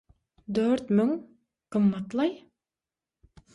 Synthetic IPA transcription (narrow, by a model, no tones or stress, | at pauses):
d̪øɾt̪mʏŋ | qɨmːɑt̪lˠɑj